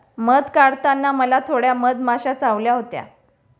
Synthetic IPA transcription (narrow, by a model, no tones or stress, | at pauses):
məd̪kaɽt̪anːaməlat̪ʰoɽjaməd̪maɕat͡saʋljaɦot̪ja̰